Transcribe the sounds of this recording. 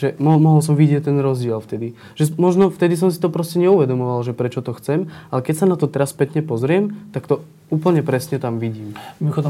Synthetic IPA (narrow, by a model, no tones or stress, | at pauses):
ʒɛmɔɦmɔɦɔls̬ɔmʋiɟɪɛct̪ɛnɾɔzɟɪɛlft̪ɛd̪i | ʒ̥ɛmɔʒnɔft̪ɛd̪is̬ɔmsi̥t̪ɔpɾɔscɛɲɛuʋɛd̪ɔmɔʋalʒɛpɾɛt͡ʃɔt̪ɔxt͡sɛmalɛkɛcsanat̪ɔt̪ɛɾaspɛt̪ɲɛpɔzɾɪɛmt̪akt̪ɔ | uːpl̩ɲɛpɾɛsɲɛt̪amʋiɟiːmmimɔxɔd̪ɔ